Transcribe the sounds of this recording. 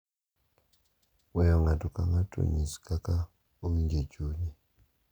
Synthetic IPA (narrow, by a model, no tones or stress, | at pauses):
wɛjɔŋatɔka̰ŋato̰ɲiskaka | owiɲd͡ʒed͡ʒuɲi